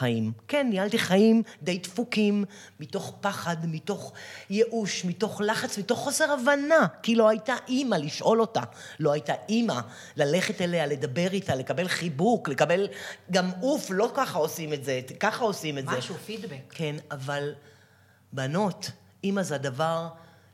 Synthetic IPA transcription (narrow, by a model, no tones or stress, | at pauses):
χaimkenːialtiχajimd̪e̞jtfukimː | ito̞χpaχadmito̞χje̞ʔuʃmito̞χlaχat͡smito̞χːo̞se̞ʁavanakilo̞ajtaʔimaliʃʔo̞lo̞ta | lo̞ajtaʔima | lale̞χetele̞ale̞d̪abe̞ʁitale̞kabelχibukle̞kabe̞lɡamuflo̞kaχao̞sime̞tzekaχao̞simetzzeʃufid̪bekkenaval | bano̞t | imazeadavaʁ